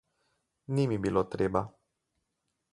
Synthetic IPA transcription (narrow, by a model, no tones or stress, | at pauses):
nimibilot̪ɾeba